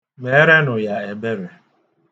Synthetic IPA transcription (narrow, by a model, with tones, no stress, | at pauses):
me˨˦ɾe˦nʊ˨ja˨e˨be˦ɾe˨